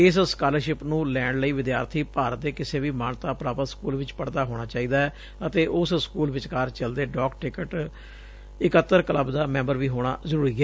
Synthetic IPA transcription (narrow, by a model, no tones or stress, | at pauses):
ɪsskaːləɾʃɪpnũːlɛːɳɖləiːʋɪd̪ja̰ːɾt̪ʰiːpaːɾət̪̚d̪eːkɪseːʋiːmaːnt̪aːpɾaːpət̪skuːlʋɪt͡ʃpəɽd̪aːɦoːɽ̃aːt͡ʃaːiːd̪aːɛː | ət̪eːʔʊsskuːlʋɪt͡ʃkaːɾt͡ʃəld̪eːɖɔːkʈɪkəʈ | ɪkət̪ːəɾkələbd̪aːmɛ̃ːmbəɾʋiːɦoːɽ̃a̰ːzəɾuːɾiːɛː